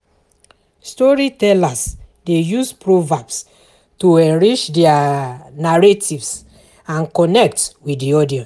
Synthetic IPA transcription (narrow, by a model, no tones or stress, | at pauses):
stɔɹitɛlas | dejuspɹovabs | tuɛɹit͡ʃdɛanaɹatʰivs | ãnkɔnɛk̚twiddiɔdiɔ̃ns